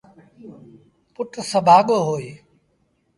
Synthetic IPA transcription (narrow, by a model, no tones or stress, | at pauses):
pʊʈsəbʱaːɠoːɦoːeː